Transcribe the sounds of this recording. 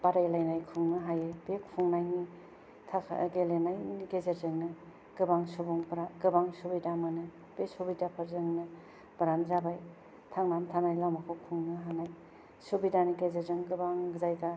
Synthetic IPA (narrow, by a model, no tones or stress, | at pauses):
b̥aɾajlajnajkʰuŋnɯɦajebekʰpʰuŋnajni | tʰa̰ɡelenajiɡezeɾzɯŋnɯ | ɡ̥ɯbaŋsubɔŋbɾaɡɯbaŋsubidamanɯ | b̥esubidapʰɐɾzɯŋnɯ | b̥ɯɾamzabaj | tʰaŋnamtʰanajlawmakʰokʰuŋnɯɦanaj | subidaniɡezeɾzɯŋɡɯbaŋzajɡa